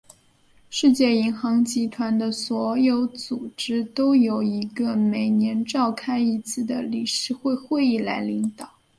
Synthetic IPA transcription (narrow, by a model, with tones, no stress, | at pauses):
ʂɻ̩˥˧t͡ɕjɛ˥˩i˧˥ŋxɑ˧˥ŋt͡ɕi˧˥t̪ʰwa˧˥nd̪ə˧swɔ˧˥jo˧˥ʊt͡su˨˩ʈ͡ʂɻ̩˥t̪o˥ʊjo˨˩ʊi˧˥ɡə˧me˨˩ɪnjɛ˧˥nʈ͡ʂɑ˥˧ʊkʰa˥ɪi˧˥t͡sʰɹ̩˥˩d̪ə˩li˨˩ʂɻ̩˥˧xwe˥˧ɪxwe˥˧ɪi˥˩la˧˥ɪli˧˥ŋt̪ɑ˨˩˦